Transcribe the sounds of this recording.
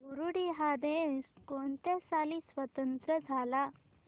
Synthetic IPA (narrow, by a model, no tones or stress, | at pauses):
ɡuɾuɽiɦad̪ẽskont̪esalisʋət̪ənt̪ɾəd͡zʱala